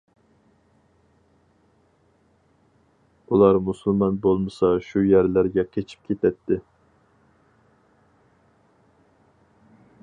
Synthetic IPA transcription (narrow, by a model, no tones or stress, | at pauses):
ulˠɑɾmusulˠmɑnbolˠmɨsɑʃujɛɾlæɾɡʲɛkʲʰet͡ʃʰi̥p̚kʲʰet̪ʰɛt̪ʰːɪ